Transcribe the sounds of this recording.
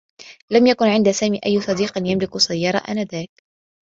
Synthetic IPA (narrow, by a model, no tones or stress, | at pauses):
lamjakʊnʕɪnd̪asaːmiːʔajːsˤɑd̪iːqɪnjamlɪksˤɑjːɑɾˤɑ̰ʔa̰nad̪aːk̚